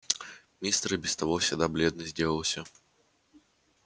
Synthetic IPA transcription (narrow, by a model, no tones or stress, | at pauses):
mʲist̪ɾɨbʲɪst̪avɔfsʲad̪ablʲɛd̪̚nɨzʲdʲelˠəlˠsʲə